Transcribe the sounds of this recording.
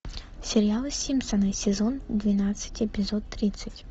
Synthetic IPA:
sʲɪɾʲɪjalˠɨsʲimʲsɐnɨsʲɛzɔnd̪vʲinat̪sɨ̥tʲɛpʲɪzɔt̪ːɾʲit̪sːɨtʲ

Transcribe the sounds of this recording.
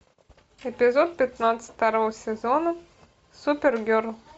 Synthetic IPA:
ɪpʲɪzot̪̚pʲɪt̪nat̪sə̥t̪ʲt̪ɐɾovəsʲɪzonə | supʲɪrɡʲøɾlˠ

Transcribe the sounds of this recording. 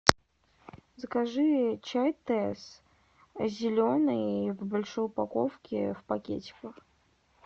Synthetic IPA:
zəkɐʐɨt͡ɕajt̪ɛs | zʲɪlʲonɨjvbɐlʲʂɨʊpɐkofkʲɪ̰vpɐkʲḛt͡ɕʲɪ̥kəx

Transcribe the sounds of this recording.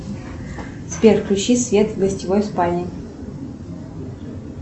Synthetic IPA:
spʲerklʲʊɕisvʲet̪vɡəsʲtʲɪvojspalʲnʲɪ

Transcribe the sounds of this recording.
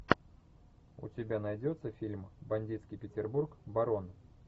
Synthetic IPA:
ʊ̰tʲɪbʲanɐjdʲo̞t̪səfʲilʲmbɐnʲdʲit̪skʲijpʲɪtʲɪrburkbɐɾo̞n

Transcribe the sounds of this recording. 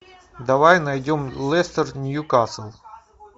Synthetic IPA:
d̪ɐvajnɐjdʲomlˠɛst̪ərnʲjukasəlˠ

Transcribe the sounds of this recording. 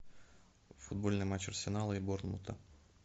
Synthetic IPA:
fud̪̚bolʲnɨmat͡ɕɐrsʲɪnalˠɨiborlˠmṵt̪ɐ

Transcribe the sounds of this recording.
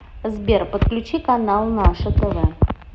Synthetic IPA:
zbʲerpət̪klʲʉt͡ɕikɐnalˠnaʂəd̪əvɛ

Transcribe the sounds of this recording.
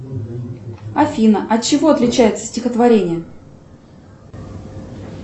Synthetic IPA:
ɐfʲinəʔɐt̚t͡ɕːɪvo̞ɐt̪lʲɪt͡ɕæjɪt̪sə̥sʲtʲɪxət̪vɐɾʲenʲɪjə

